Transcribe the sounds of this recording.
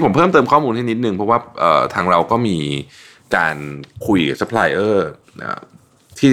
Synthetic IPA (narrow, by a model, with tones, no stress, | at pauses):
pʰpʰɤː˥˩mt̪ɤː˧mkʰɔː˥˩muː˧nt̪ʰiː˥˩ni˦˥t̪̚nɯ˧ŋpʰɾɔ˦˥waː˥˩ʔə̰ː˨˩t̪ʰaː˧ŋɾa˧wkɔː˥˩miː˧ | kaː˧nkʰu˧jʔa˨˩sa˦˥pʰlaː˧jʔɤː˥˩ | ʔa̰ː˧˩ | t̪ʰiː˥˩